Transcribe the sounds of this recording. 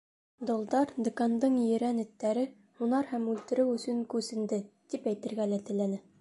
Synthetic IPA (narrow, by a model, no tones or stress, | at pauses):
d̪ŏlˠd̪ɑɾd̪ŏkɑnd̪ɤɴjɘ̆ɾænɘ̆t̪ːæɾɘ | hunɑɾhæmʉlt̪ɘ̆ɾɘwɵ̆sɵŋkʉsɘ̆nd̪ɘt̪ipæjt̪ɘ̆ɾɡælæt̪ɘ̆lænɘ